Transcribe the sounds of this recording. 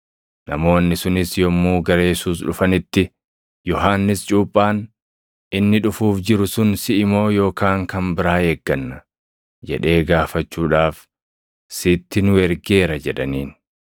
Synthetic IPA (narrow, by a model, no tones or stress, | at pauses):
nɐmo̞ːnːɪsʊnɪsjɔmːuːɡɐɾe̞ːsuːs̬ᶑʊfɐnɪt̪ːɪ | jɔɦaːnːɪst͡ʃʼuːpʼːaːn | ɪnːɪᶑʊfuːfd͡ʒɪɾʊsʊnsɪʔɪmo̞ːjo̞ːkaːŋkɐmbɪɾaːheːɡːɐnːɐ | d͡ʒɛ̰ᶑe̞ːɡaːfɐt͡ʃːuːᶑaːf | sɪt̪ːɪnʊɛɾɡe̞ːɾɐd͡ʒɛᶑɐ̰niːn